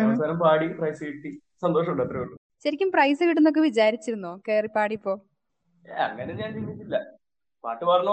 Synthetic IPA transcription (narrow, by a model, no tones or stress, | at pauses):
ɐmɐsaːɾɐmpaːɽiprɐjsɨiʈːi | sɐnd̪o̞ːʂɐmuɳɖɐt̪ːrɐjoɳːɖu | ɕɐɾikʲːumprɐjsɨɣiʈːunːo̞k̬ːe̞ʋid͡ʑaːɾit͡ɕːiɾunːoːokːeripaːɽipːo̞ː | ɐ̰ŋːɐneɲaːnt͡ɕind̪ːitːilːɐ | pa̰ːʈːɨʋɐrɐɳɐ